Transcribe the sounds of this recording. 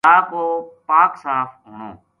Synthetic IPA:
aːkoːpaːksaːf | ʊnõː

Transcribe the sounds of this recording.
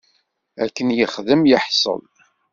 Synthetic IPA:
ækːənjəχðəmjəħsˤə̰l

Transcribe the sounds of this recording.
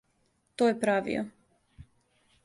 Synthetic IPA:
t̪ojepɾaʋḭo̰

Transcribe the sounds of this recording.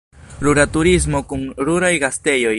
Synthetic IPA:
ɾuɾatuɾiz̬mo̞kunɾuɾajɡaste̞jo̞j

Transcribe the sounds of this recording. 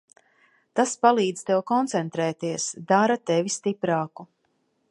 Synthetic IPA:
t̪aspalˠiːd̪z̥t̪ɛwkɔnt̪sɛnt̪ɾɛːt̪iɛsd̪aɾat̪ɛvist̪ipɾaːku

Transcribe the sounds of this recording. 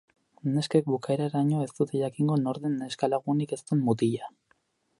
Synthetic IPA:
ne̞skek̚bukaeɾaɾaɲo̞e̞st̪ut̪eʝakiŋɡo̞no̞ɾðeneskalaɣunike̞st̪uenmut̪̬iʎa

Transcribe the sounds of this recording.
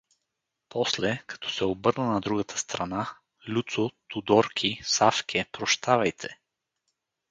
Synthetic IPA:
pɔslɛkɐ̥t̪ʰɔ̥sɛobɤɾnənɐd̪ɾuɡət̪ʰə̥st̪ɾɐna | lʲut̪sot̪ud̪ɔɾkʰʲisafkʰʲɛpɾoʃt̪ʰavɐjt̪ʰɛ

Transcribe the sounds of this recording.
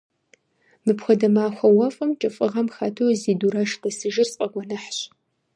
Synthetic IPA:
mɨpxʷɔdɐmaːxʷɐwɐfʼɐmt͡ʃʼɨfʼɨʁɐmxaːtʰowziːduɾaʃdɐsɨʒɪrsʼqʼɐɡʷɔnɐħɕ

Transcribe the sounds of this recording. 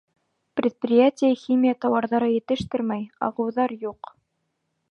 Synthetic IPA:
prʲɪt̪̚prʲɪjatʲɪjəxʲimʲijat̪ɑwɑɾðɑɾɤjɘ̆t̪ɘ̆ʃt̪ɘɾmæjɑ̰ʁɤ̆wðɑɾjuq

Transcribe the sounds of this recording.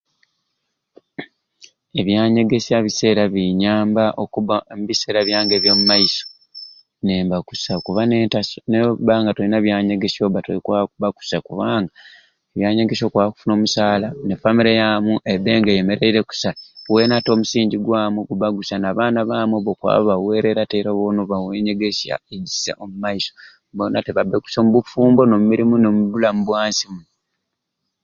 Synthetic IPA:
e̞βjaːɲe̞ɡe̞siaβise̞ːɾaβiɲaːmbaʔokuβamuβise̞ːɾaβjaːŋɡe̞βjo̞ːmumajiso̥ | neːmbakusakuβantanebaːŋɡatoinaβjaːɲeɡe̞sio̞βatoikaβaku̥sakuβaːŋɡa | eβjaːɲeɡeso̞ːkwaku̥funo̞ːmusaːlanefamiɾejamuʔedeːŋɡejeme̞ɾeiɾeku̥sawe̞nato̞ːmusiːɲɟiɡwaːmwuɡuβaɡusanaːβaːnaβaːmweβokwa̰ːββawe̞ːɾe̞ɾateɾoβonoβaweɲe̞ɡesa̰eɟi̥sa̰ʔomumaiso | bonateβabeku̥somuβufuːmbo̞no̞mumiɾimunomuβulamuβwaːnsimu

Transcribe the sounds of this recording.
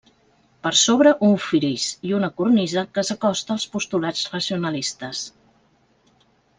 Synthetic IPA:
pəɾsoβɾəʔuɱfiɾisiunəkurnizəkəsəkɔst̪əːlˠspust̪ulad͡zrəsiunəlist̪əs

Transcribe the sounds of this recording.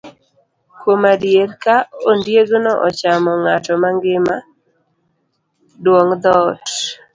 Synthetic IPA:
kwomadjeɾkaondjeɡʊnɔʔɔt͡ʃamɔŋatɔmaŋɡɪma | dwoŋd̪ɔt

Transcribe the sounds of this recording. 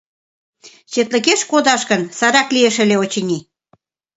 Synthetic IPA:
t͡ɕet̪lə̆keʃkod̪ɑʃkənsɑɾɑklieʃəleot͡ɕənʲi

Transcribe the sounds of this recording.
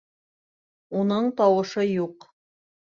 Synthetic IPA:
unɤɴt̪ɑwɤ̆ʃɤjuq

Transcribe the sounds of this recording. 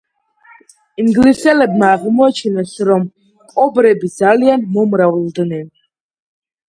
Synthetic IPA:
iŋɡlisɛlɛbmaːʁmɔat͡ʃʰɛnɛsɾɔm | kʼɔbɾɛbid̪zalianmɔmɾavld̪nɛn

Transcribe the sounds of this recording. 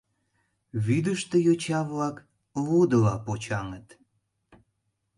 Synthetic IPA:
βyd̪əʃt̪əjot͡ɕɑβlɑk | lud̪əlɑpot͡ɕɑŋət̪

